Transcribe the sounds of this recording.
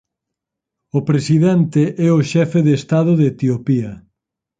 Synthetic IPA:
ʊpɾesiðɛnt̪eʔɛoʃɛfeðeːst̪að̞ʊðet̪iopiɐ

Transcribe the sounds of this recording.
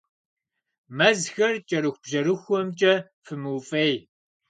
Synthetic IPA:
mɐzxɐrt͡ʃʼɐɾɨxʷb̥ʒɐɾɨxʷɔmt͡ʃʼɐ | fɨmɨːfʼej

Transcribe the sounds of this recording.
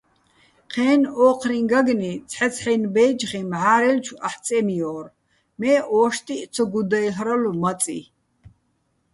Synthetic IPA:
qʰɛːnɔːqʰɾiŋɡaɡnit͡sʰħɛt͡sʰħɛjnbɛːd͡ʒχimʕaːɾɛlt͡ʃʰuaħt͡sʼɛmijɔːr | mɛːʔɔːʃt̪ʼit͡sʰɔɡud̪ajɦɾalumat͡sʼḭ

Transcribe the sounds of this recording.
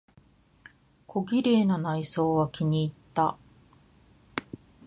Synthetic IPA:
kʰo̞ɡʲiɾe̞ːnanaiso̞ːβakʲiɲ̟iːt̪ːa

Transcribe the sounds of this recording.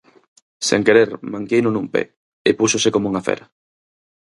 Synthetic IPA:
sḛŋkeɾeɾmãŋkejnonũmpḛ | epusosekomouŋafḛɾa

